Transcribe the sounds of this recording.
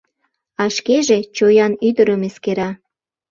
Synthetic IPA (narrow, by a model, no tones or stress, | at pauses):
ɑʃkeʒet͡ɕojɑnyd̪əɾəmeskeɾɑ